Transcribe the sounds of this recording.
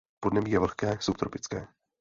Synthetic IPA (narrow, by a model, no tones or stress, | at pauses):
podnɛmiːjɛvl̩xkɛːsupt̪ɾopɪt͡skɛː